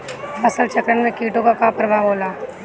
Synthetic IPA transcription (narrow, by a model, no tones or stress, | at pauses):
ɐsəlt͡ʃɐkɾənmẽkiːʈõkakapɾɐbʱaːboːlaː